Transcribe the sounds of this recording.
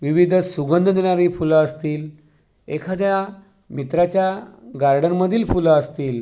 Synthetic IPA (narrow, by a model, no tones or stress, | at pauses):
ʋiʋid̪ʱsuɡənd̪ʱəd̪eɽ̃aɾiːfulaəst̪iːl | ekʰad̪ja | mit̪ɾat͡ɕjaɡaɾɖənməd̪ʱiːlfulaəst̪iːl